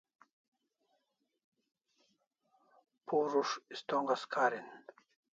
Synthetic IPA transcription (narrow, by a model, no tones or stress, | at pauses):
pʰuɾuʂist̪oŋɡaskʰaːɾin